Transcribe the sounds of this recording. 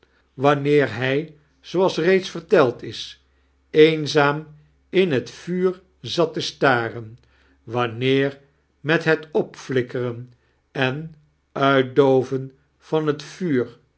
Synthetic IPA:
ʋɑnɪːɹɦɛj | z̥oɑlˠsrejtsfərtɛlˠtɪs | ejnzaːm | ɪnɦətfyːr | zɑtəstaːrən | ʋɑnɪːr | mɛtɦətɔpflɪkərən | ɛn | œɥt̚dowvən | v̥ɑnɦətfyːɹ

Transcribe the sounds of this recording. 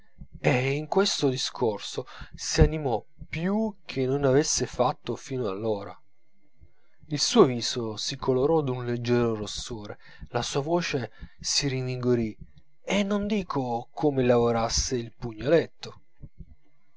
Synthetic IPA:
eiŋkwest̪od̪iskʰorsosianimɔ | pjuk̟ʰenːonavesːefat̪ːofiːnoalːoːɾa̰ | ilsuːoviːzosikʰoloɾɔd̪unled͡ʒːɛːɾoɾosːoːɾe | lasuːavoːt͡ʃesiɾiviŋɡoɾi | enːond̪iːkʰokʰomelavoɾasːeilpuɲːolet̪ːo

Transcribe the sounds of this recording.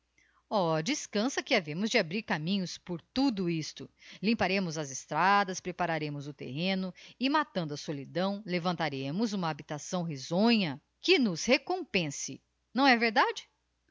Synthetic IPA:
ɔd͡ʒiskɐ̃sɐkɪavẽmʊzd͡ʒɪabɾiɾkamĩɲʊspoɾt̪ud̪ʊist̪ʊlĩmpaɾẽmʊzɐzɪst̪ɾad̪ɐspɾepaɾaɾẽmʊzʊt̪ḛɦẽnʊɪmat̪ɐ̃nd̪ʊɐsolid̪ɐ̃w̃levɐ̃nt̪aɾẽmʊzũmɐːbit̪asɐ̃w̃ɦizõɲɐ | kɪnʊzhekõpẽsɪ | nɐ̃w̃ɛveɾd̪ad͡ʒɪ

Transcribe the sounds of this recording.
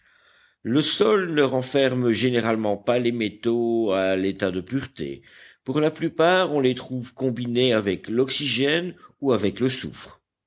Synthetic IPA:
ləsɔlnəʁɑ̃fɛʁmʒeneʁalmɑ̃palemet̪oalet̪ad̪əpyʁt̪ḛ | puʁlaplypaːʁɔ̃let̪χuvkɔ̃bineavɛklɔksiʒɛnuavɛkləsṵfχ

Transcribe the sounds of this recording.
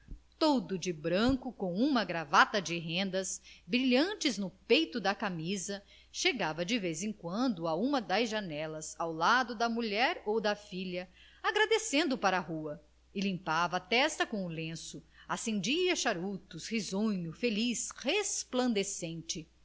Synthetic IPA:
t̪od̪ʊd͡ʒɪbɾɐ̃ŋkʊkõw̃ũmɐɡɾavat̪ɐd͡ʒɪɦẽnd̪ɐsbɾiʎɐ̃t͡ʃɪznʊpejt̪ʊd̪ɐkamizɐ | ʃeɡavɐd͡ʒɪvezẽŋkwɐ̃nd̪ʊaũmɐd̪ɐzʒɐnɛlɐzawlad̪ʊd̪ɐmuʎɛɾowd̪ɐfiʎɐ | aɡɾad̪esẽnd̪ʊpaɾɐɦuɐ | ɪlĩmpavɐːt̪ɛst̪ɐkõʊlẽsʊasẽnd͡ʒiɐʃaɾut̪ʊshizõɲʊfelishesplɐ̃nd̪esẽnt͡ʃɪ

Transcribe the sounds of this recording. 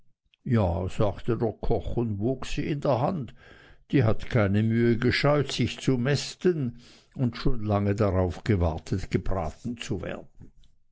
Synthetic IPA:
jaːz̥aːktədeːɐkʰɔχʊndvoːksiːɪndeːɐɦantd̥iːɦatkʰaɪnəmyːəɡəʃɔʏtsɪçt͡sumɛstən | ʊntʃoːnlaŋədaʁaʊfɡ̥əvaɐtʰətɡ̥əbʁa̰ːtn̩t͡suvḛːɐd̥n̩

